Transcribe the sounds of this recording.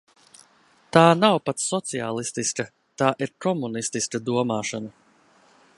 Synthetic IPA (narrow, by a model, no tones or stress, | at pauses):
t̪aːnawpat̪ssɔt̪sia̰ːlˠist̪iskɐ | t̪aːʔiɾkɔmunist̪iskad̪uɔmaːʃɔna